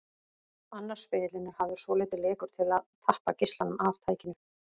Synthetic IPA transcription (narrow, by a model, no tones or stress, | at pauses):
anːaɾ̥spɪːlɪnɪɾhavðʏsɔːlejt̪ɪleːkʏɾ̥t̪ʰɪlaðt̪ʰahpacɪst̪lanʏmavt̪ʰaːjcɪnʏ